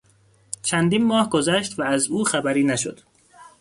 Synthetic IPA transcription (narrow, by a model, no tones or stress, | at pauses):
t͡ʃʰænd̪iːnmɒːhɡozæʃt̪væːzuːxæbæɾiːnæʃo̰d̪̥